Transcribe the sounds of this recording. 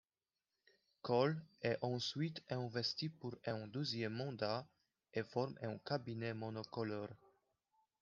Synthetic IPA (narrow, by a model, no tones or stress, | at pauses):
kɔlɛʔɑ̃sɥit̪ɛ̃vɛst̪ipuʁɛ̃d̪øzjɛmːɑ̃d̪a | efɔʁmʔɛ̃kabinɛmɔnɔkɔlɔʁ